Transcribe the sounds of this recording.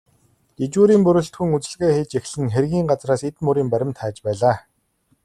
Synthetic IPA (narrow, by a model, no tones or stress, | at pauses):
ɡ̪̥et͡ɕuːɾiːmpɵɾɵ̆ɬt̪xŭŋut͡sɘ̆ɮɣeːxeːt͡ɕex̆ɮɘ̆ŋxerɣʲiːŋɢat͡sraːset̪mɵɾiːmpæɾʲɪ̆mt̪ʰaːt͡ɕpæːɮaː